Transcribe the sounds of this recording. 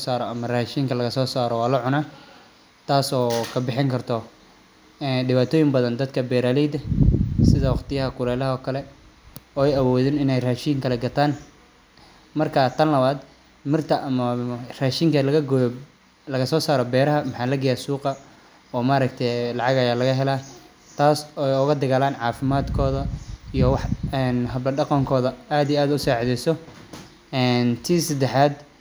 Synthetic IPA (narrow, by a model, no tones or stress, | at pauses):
saːɾɔɐmɐraːʃiːŋkʰɐlɐɣɐsɔːsaːɾɔwaːlɐʕʊnaː | t̪ʰaːsɔːkʰɐbɪħɪŋkʰɐrt̪ʰɔ | ɛɖɪβaːt̪ʰɔːjɪmbɐðɐnd̪ɐd̪kʰɐbɛːɾaːlɛjd̪ɐsɪðɐwɑqt̪ɪjɐɦɐkʰʊlɛːlɐɦɔːkʰɐlɛ | ɔːɛjɐwɔːðɪnɪnɛjraːʃiːŋkʰɐlɛɡɐt̪ʰaːn | mɐrkʰat̪ʰɐnlɐβaːd̪ | mɪrt̪ʰɐʔɐmɐraːʃiːŋkʰɐlɐɣɐɡj | lɐɣɐsɔːsaːɾɔbɛːɾɐɦɐmɑħaːlɐɡɐjasuːqɐ | ɔːmaːɾɐkt̪ʰɛlɑʕɑɣɐjaːlɐɣɐɦɛlaː | t̪ʰaːsɔjʊɣɐd̪ɐɣaːlaːnʕɑːfɪmaːd̪kʰɔːðɐijɔwɑħɛnɦɐblɐɖɑqɑŋkʰɔːðɐaːd̪ijaːd̪ʊsaːʕðɛjsɔ | ɛːnt̪ʰiːsɐd̪ɛħaːd̪